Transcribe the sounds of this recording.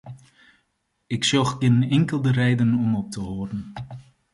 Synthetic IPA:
ɪksɔxɡɪnɪŋkəlˠdəɾɛjdənɔmɔp̚təɦoːdən̩

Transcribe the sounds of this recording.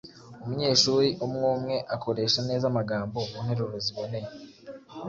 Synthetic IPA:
umuɲe̞ːʃuːɾiʔumŋuːmŋe̞ʔako̞ɾe̞ːʃane̞ːzamaɡaːmbo̞muːn̥he̞ɾuɾoziβo̞ne̞je

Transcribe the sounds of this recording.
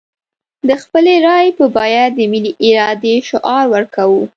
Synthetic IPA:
d̪əxpəleɾɑjpəbɑjad̪əmiliʔɪɾɑd̪eʃʊʔɑɾwəɾkawu

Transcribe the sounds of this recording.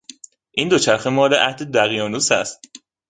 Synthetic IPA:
ʔiːnd̪ot͡ʃʰæɾxemɒːleʔæhd̪ed̪æɣijɒːnuːsæst̪

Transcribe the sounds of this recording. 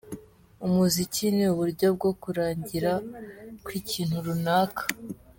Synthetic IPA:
umuzicineuβuɾɟo̞b̚ɡo̞kuɾaːɲɟiɾakwiːciːn̥huɾunaːkḁ

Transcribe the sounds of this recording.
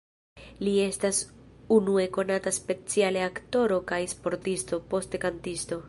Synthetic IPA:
lie̞stasunue̞ko̞nataspe̞t͡sialeakto̞ɾo̞kajspo̞ɾtisto̞po̞stkantisto̞

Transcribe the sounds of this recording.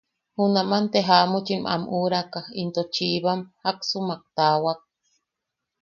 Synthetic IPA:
hunamant̪eɦamut͡ʃimʔa̰muɾakaint̪ot͡ʃiβamhaksumak̚t̪awak̚

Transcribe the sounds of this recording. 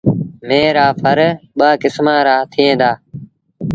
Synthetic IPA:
meːɾaːfʰəɾɓaːkɪsmãːɾaːt̪ʰɪẽːd̪aː

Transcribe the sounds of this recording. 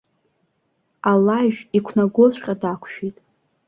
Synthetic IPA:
alːaʒᶣikʷʰnaɡot͡ɕʷʼqʲʼadakʷʰʃᶣitʼ

